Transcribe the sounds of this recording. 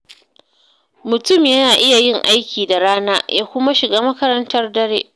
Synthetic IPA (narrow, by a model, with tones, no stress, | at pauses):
mʊ˨tʊ˦˨mjɐ˦naː˨ʔɪ˦ja˨jɪ˦˨ŋʔa˦jkʲiː˨da˨ɽaː˦naː˦jaː˦kʷʊ˦ma˦ʃɪ˨ɡaː˦mɐ˦kɐ˦ɾɐ˦ntɐ˦rdɐ˦ɽḛː˦ʔ